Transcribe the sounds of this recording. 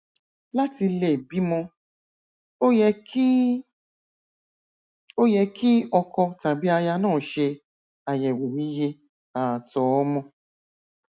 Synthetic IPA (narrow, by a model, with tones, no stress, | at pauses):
la˦ti˧le˨bi˨˦mɔ̃˧˦ | ɛ˧˦ | o˦jɛ˧kʰi˦ɔ˧kɔ˧ta˨bi˦a˧ja˧nãː˦˨ʃe˧ | a˨jɛ˨we˨wi˦je˧ | a˨tɔ˨˦ɔ˦mɔ̃˧